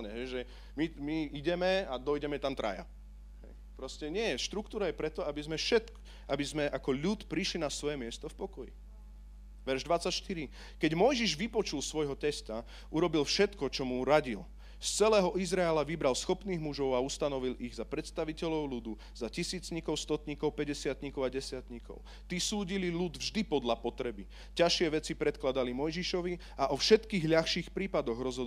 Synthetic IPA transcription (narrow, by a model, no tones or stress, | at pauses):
ɲɛɦɛjʒɛ | mimiiɟɛmɛad̪ɔjɟɛmɛt̪amt̪ɾa̰ja̰ | ɦɛ̰j | pɾɔscɛɲɪɛjɛʃt̪ɾukt̪uːɾajɛpɾɛt̪ɔabizmɛfʃɛt̪k | abizmɛʔakɔʎut̪pɾiʃlinasʋɔjɛmɪɛst̪ɔfpɔkɔjḭ | ʋɛɾʒd̪ʋat͡sːacʃt̪iɾi | kɛɟmɔjʒiʒʋipɔt͡ʃulsʋɔjɦɔt̪ɛst̪a | ʔuɾɔbilfʃɛt̪kɔt͡ʃɔmuɾaɟil | st͡sɛlɛːɦɔʔizɾaɛlaʋibɾalsxɔpniːɣmuʒɔʊaust̪anɔʋiliɣzapɾɛt̪st̪aʋicɛʎɔʊlud̪u | zacisiːt͡sɲikɔʊst̪ɔt̪ɲikɔʊpɛɟɛsɪat̪ɲikɔʊaɟɛsɪat̪ɲikɔ̰ʊ | t̪isuːɟililud̪vʒd̪ipɔd̪lapɔt̪ɾɛbi | caʃɪɛʋɛt͡sipɾɛt̪klad̪alimɔjʒiʃɔʋi | aʔɔfʃɛt̪kiːɣʎaxʃiːxpɾiːpad̪ɔɣɾɔzɦɔd̪